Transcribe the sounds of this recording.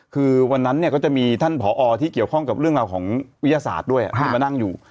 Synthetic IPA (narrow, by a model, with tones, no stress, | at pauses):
kʰɯː˧wa˧nːa˦˥nːi˥˩kɔ˥˩t͡ɕa˨˩ʔmiː˧t̪ʰa˥˩npʰɔː˩˦ʔɔː˧t̪ʰiː˥˩ki˨˩əwkʰɔ˥˩ŋka˨˩p̚ɾɯ˥˩əŋɾaː˧wkʰɔː˩˦ŋwi˦˥jaː˧sa̰ː˨˩t̪̚du˥˩əjʔa̰˨t̪ʰːa˧nːa˥˩ŋjuː˨˩